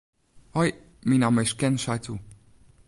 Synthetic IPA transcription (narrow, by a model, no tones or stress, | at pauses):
hɔj | minameʃkɛnʃajt͡su